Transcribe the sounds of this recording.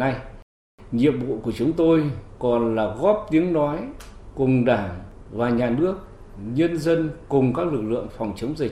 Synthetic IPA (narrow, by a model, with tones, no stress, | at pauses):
na˧j | ɲḭ˧˨əmvṵ˧˨ku˧˩ət͡ɕʊ˨˦ŋ͡mt̪o˧jkɔ˨˩nlaː˨˩ɣɔ˦˥p̚t̪i˨˦əŋnɔ˨˦jkʊ˨˩ŋ͡mɗaː˧˩ŋ | vaː˨˩ɲaː˨˩nɨ˦˥ək̚ | ɲə˧nzə˧nkʊ˨˩ŋ͡mkaː˦˥k̚lɨ˨˩k̚lɨ̰˧˨əŋfa˨˩wŋ͡mt͡ɕə˨˦wŋ͡mzə˨˩